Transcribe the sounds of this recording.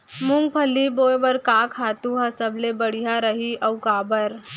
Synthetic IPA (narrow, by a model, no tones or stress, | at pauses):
mʊ̃ŋɡ̚pʰəliboːebəɾkaːkʰaːt̪ũɦɐsəblebɐɽ̤ijaɾɐɦiʔɐwkaːbəɾ